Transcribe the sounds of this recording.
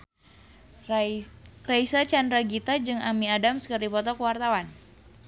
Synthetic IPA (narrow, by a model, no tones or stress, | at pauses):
raisat͡ʃandɾaɡit̪ad͡ʒɨŋamiadamsə̥kɨrdipɔt̪ɔkəwart̪awan